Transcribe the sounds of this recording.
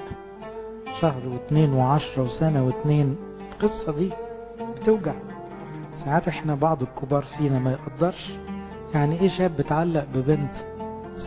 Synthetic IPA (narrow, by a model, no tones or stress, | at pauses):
ʃɑhɾwet̪neːnweʕɑʃɾˤɑwesænæwet̪neːn | elqesˤːɑd̪iː | bet̪ewɡaʕ | saʕaːt̪ʔeħnæbɑʕd̪ˤelkʰobɑːɾˤfiːnæmæjeʔɑd̪ːɑɾˤʃ | jaʕniʔeːʃæːbːet̪ʕalːæʔbɪbent̪